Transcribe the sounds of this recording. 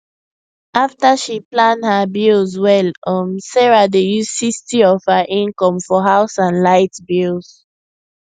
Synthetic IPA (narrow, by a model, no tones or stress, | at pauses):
aftaʃiplãndhabilzwɛlɔmsɛɹadejuzsistiɔv̥həʔĩnkɔ̃mfɔɦaʊsãnlaɪtbilˠz̥